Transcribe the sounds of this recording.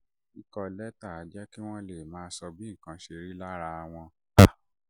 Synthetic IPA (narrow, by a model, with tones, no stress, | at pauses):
i˨kɔ˧lɛ˦ta˦˨a˨˦d͡ʒɛ˦ki˦w̃ɔ̃˦le˦˨mãː˨˦sɔ˧bi˦˨kã˨˧˦ʃe˧ɾi˦la˦ɾa˧w̃ɔ̃˧˨